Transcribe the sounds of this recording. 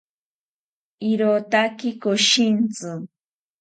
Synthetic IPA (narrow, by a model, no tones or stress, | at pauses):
iɾot̪akɪkoʃint͡sɨ